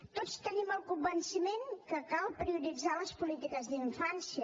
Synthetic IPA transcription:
t̪ot͡st̪əniməlˠkumbənsimeŋkəkalˠpɾiuɾid͡zaləspulit̪ikəzðiɱfansiə

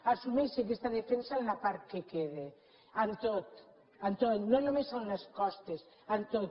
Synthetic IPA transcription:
asumesek̬est̪aðefensanlapaɾkekeðe | ant̪ot̪ | ant̪ot̪nõnomesawnneskɔst̪es | ant̪ot̪

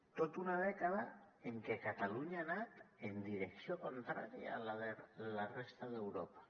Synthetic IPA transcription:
t̪ot̪unað̞ekað̞a | eŋkekat̪aluɲaːnat̪end̪iɾeksjokont̪ɾa̰ɾja̰laðelarest̪aðewɾo̰pḁ

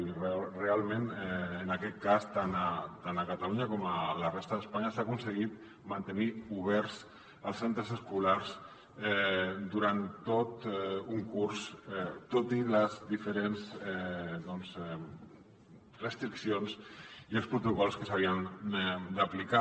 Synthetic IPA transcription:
rrealˠmenɛənəkɛt̪̚kast̪anət̪anəkat̪aluɲəkɔmələrest̪əðəspaɲəsakunsəɣ̞it̪̚ | mant̪əniuβɛɾz | əlˠsent̪ɾəzəskulaɾz | ɛd̪uɾant̪ːot̪uŋkuɾsɛt̪ot̪iləzd̪ifəɾenzɛðɔnzɛ | rəst̪ɾiksionsiəlˠspɾut̪ukɔlˠskəsaβ̞iənd̪əplika

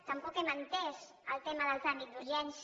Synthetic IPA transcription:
t̪əmpɔkemənt̪ɛs | əlˠt̪eməðəlˠzanikd̪uʒɛns

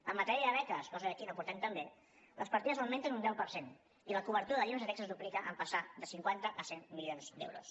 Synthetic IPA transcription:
əmːət̪ɛɾiəðəβɛkəskɔəəkiləpuɾt̪ɛmt̪əmbe | ləspəɾt̪iðəzəwment̪ənund̪ɛwpəɾsen | iləkuβəɾt̪uɾəðəʎunzət̪ɛksəzd̪uplikəʔəmpəsad̪əsiŋkwant̪əʔəsenmilionzd̪ḛwɾṵs

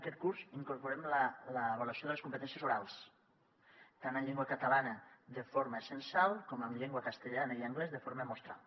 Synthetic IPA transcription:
əkɛt̪̚kuɾziŋkuɾpuɾɛmlələːβalwasjoðələskumpət̪ɛnsjəzuɾalˠs | t̪anəmʎeŋɡwəkət̪alanəðəfoɾməesənsalˠkoməmʎeŋɡwəkəst̪eʎanəiəŋɡlɛzðəfoɾməmost̪ɾa̰lˠ

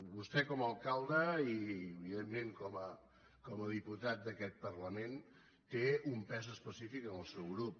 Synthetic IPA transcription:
bust̪ɛkɔməlˠkalˠd̪əiəβiðemːẽŋkɔmə | kɔməðiput̪at̪̚d̪əkɛt̪̚pərləmen | t̪eumpɛzəspəsifikənəlˠsɛwɣɾup̚

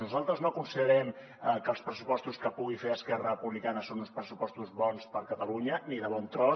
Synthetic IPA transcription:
nuzalˠt̪ɾəznoəkunsiðəɾɛm | kəlˠspɾəsupɔst̪uskəpuɣ̞ifeəskɛrəpuβlikanəsonũnˠspɾəsupɔst̪uzβɔnspəɾkət̪əluɲəniðəβɔnt̪ɾɔ

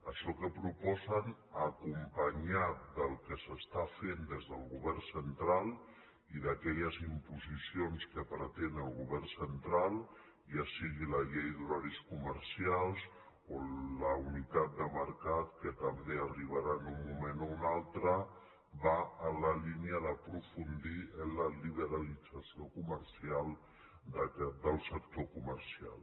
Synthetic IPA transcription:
əʃɔkəpɾupɔzənəkumpəɲad̪əlˠkəsəst̪afend̪ezðəlˠɣuβɛrsənt̪ɾalˠ | iðəkɛʎəzimpuzisionskəpɾət̪enəlˠɣuβɛrsənt̪ɾalˠ | jasiɣiləʎejðuɾaɾiskuməɾsialˠz | oləunit̪at̪̚d̪əməɾkat̪kət̪əmbeəriβ̞aɾanumːumenounalˠt̪ɾə | baələliniəðəpɾufund̪iənləliβ̞əɾalid͡zasiokuməɾsialˠ | d̪d̪əlˠsək̚t̪okuməɾsia̰lˠ

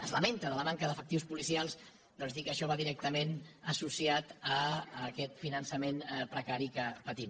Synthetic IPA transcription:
əzləment̪əðələmaŋkəðəfəkt̪iuspulisialˠs | d̪ɔnzðikəʃɔβaðiɾɛk̚t̪əmenəsusiat̪əːkɛt̪finənsəmenpɾəkaɾikəpət̪im

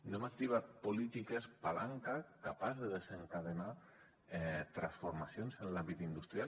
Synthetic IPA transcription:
nemak̚t̪iβ̞at̪̚polit̪ikespalaŋkakapazðəðezeŋkað̞ena | ɛt̪ɾansfuɾmasjonzənlambit̪ind̪ust̪ɾia

